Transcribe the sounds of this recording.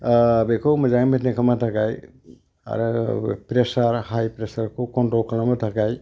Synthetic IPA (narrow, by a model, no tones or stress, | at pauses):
bekʰɔwmɐzaŋmetnekʰamatʰakaj | a̰ɾɯpɾesaɾhajpɾesaɾkʰɔwkɔntɾɔlkʰalamatʰakaj